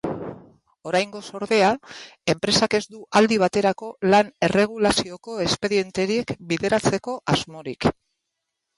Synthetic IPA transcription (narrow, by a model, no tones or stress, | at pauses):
o̞ɾajŋɡo̞so̞ɾðe̞ae̞mpɾe̞sake̞zd̪uʔald̪iβ̞at̪e̞ɾako̞lane̞re̞ɣ̞ulasio̞ko̞e̞spe̞ɾie̞nt̪e̞ɾie̞kbiðe̞ɾat͡se̞ko̞ʔazmo̞ɾik